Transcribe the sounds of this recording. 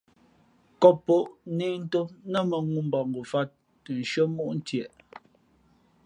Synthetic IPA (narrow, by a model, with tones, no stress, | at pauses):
kɔ˦pːo˦ʔne˦˨n̩˦to˦nə˦mə˨ŋu˦m̩˦bɔ˨ŋɡu˨fa˦t̚ː | ə˨n̩˨ʃɰə˦mu˦ʔn̩˦tjɛ˨ʔ